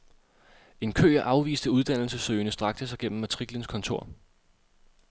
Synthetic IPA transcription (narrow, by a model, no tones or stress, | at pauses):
e̝nkʰø̰ːɐʔɑ̈ʊʋḭːsd̥əuð̞ˠd̥æn̰l̩səsøːɪnəsd̥ʁɑ̈ɡ̥d̥əsɑ̈ɪɡ̥en̰m̩mæt͡sʰʁiɡ̥lənskʰɒ̽nt͡sʰo̝ɐ̰